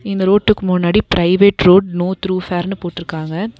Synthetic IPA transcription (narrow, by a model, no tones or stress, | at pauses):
ɪnd̪ɐɾoːʈːɯkːɯmʊnːaːɽipɪɾɐɪʋeːʈɾoːɖnoːt̪ɾuːfaːɾnɯpoːʈːɪɾɯkːaːŋɡɐ